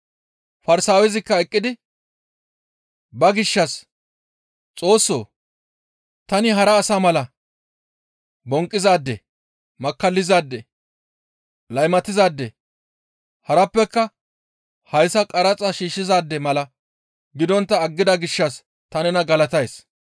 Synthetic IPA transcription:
fɐɾsaːwɛzɪkːɐɛkʼːɪd̪ɪ | bɐɡɪʃːɐs | t͡sʼo̞ːsːo̞̰ː | t̪ɐnɪɦɐɾɐːsaːmɐlɐ | bɔŋkʼːɪzaːd̪ːɛ | mɐkːɐlːɪzaːd̪ːɛ | lɐjmɐt̪ɪzaːd̪ːɛ | hɐɾɐpːɛkːɐ | hɐjsɐkʼɐɾɐt͡sʼɐʃiːʃːɪzaːd̪ːɛmɐlɐ | ɡɪd̪ɔnt̪ːɐːɡːɪd̪ɐɡɪʃːɐs | t̪ɐnɛnɐɡɐlɐt̪ɐjs

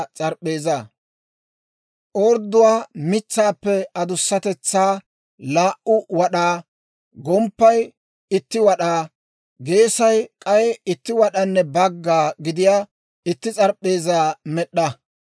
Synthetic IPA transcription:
t͡sʼɐɾpʼːe̞ːza | ʔɔːɾd̪ːʊwaːmɪt͡sːaːpːɛɐd̪ʊsːɐt̪ɛt͡sːaː | laːʔʊwɐɗaː | ɡɔmpːɐj | ɪt̪ːɪwɐɗaː | ɡe̞ːsɐjkʼɐjɛɪt̪ːɪwɐɗɐnːɛbɐɡːaːɡɪd̪ɪjaː | ɪt̪ːɪt͡sʼɐɾpʼːe̞ːzaːmɛɗːɐ

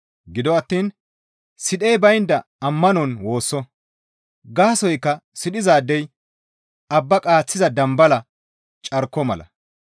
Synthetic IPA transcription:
ɡɪd̪ɔɐt̪ːiːn | sɪɗejbɐjnd̪ɐ | ɐmːɐnɔnwo̞ːsːɔ | ɡaːsɔjkːɐsɪɗɪzaːd̪ːɛj | ɐbːɐkʼaːt͡sːɪzɐd̪ɐmbɐlɐ | t͡ʃʼɐɾkːɔmɐ̰lɐ̰

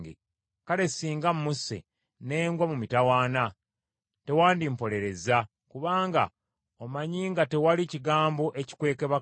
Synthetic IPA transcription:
ɡḛ | kale̞siːŋɡammusːḛ | ne̞ːŋɡwamumitawaːna | te̞waːndimpo̞le̞ɾe̞za | kuβaːŋɡa̰ | omaɲiːŋɡate̞waliciɡaːmbo̞ʔeci̥kwe̞ːke̞βa

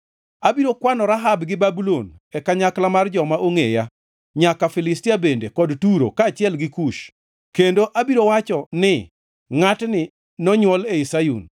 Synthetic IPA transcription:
abiɾokwanɔɾaɦabɡɪbabulon | ɛkaɲaklamard͡ʒɔmaʔoŋeja | ɲakafɪlɪstiabendekɔdtuɾo̰kaːt͡ʃɪɛlɡɪkuʃ | kendoʔabiɾowat͡ʃɔnɪ | ŋatnɪ | nɔɲwɔleisajṵn

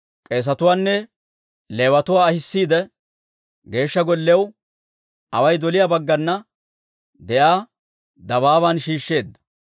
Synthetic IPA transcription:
kʼe̞ːs̬ɐt̪ʊwaːnːɛ | leːwɐt̪ʊwaːɐhɪsːiːd̪ɛ | ɡe̞ːʃːɐɡɔlːɛw | ʔɐwɐjd̪ɔlɪjabɐɡːɐnːɐ | d̪ɛʔaː | d̪ɐβaːβaːnʃiːʃːe̞ːd̪ːɐ̥

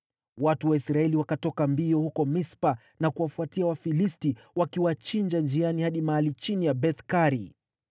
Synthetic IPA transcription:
watuwaisɾaɛliwakatɔkambiɔhukɔmispa | nakuwafuatiawafilisti | wakiwat͡ʃind͡ʒand͡ʒianihaɗimaalit͡ʃinijabɛθkaɾi

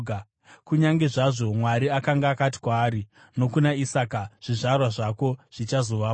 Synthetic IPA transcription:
kuɲaŋɡe̞ʐaʐo̞mwaɾiakaŋɡaːkati̥kwaːɾi | no̞kunaisaːkaʐ̥iʐarwaʐako̞ʐ̥it͡ʃazo̞ʋaa

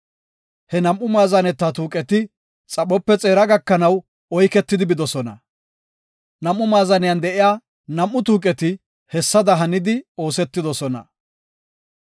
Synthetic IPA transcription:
hɛnɐmːʊmaːzɐnɛt̪ːaːt̪uːkʼɛt̪ɪ | t͡sʼɐɓɔpːɛt͡sʼe̞ːɾɐɡɐkːɐnɐw | ɔjkɛt̪ːɪd̪ɪbɪd̪ɔsɔnɐ̰ | nɐmʔʊmaːzɐnɪjand̪ɛʔɪjaː | nɐmːʊt̪̬uːk̬ʼɛt̪ɪ | hɛsːɐd̪ɐɦɐnɪd̪ɪo̞ːsɛt̪ːɪd̪ɔsɔnɐ̰

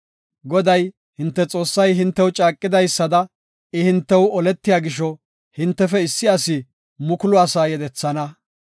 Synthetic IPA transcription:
ɡɔd̪ɐj | hɪnt̪ːɛt͡sʼo̞ːsːɐjɦɪnt̪ːɛwt͡ʃʼaːkʼːɪd̪ɐjsːɐd̪ɐ | ɪhɪnt̪ːɛwɔlɛt̪ːɪjaːɡɪʃɔ | hɪnt̪ːɛfɛɪsːɪɐsɪ | mʊkʊlʊɐsaːjɛd̪ɛt͡sːɐnɐ

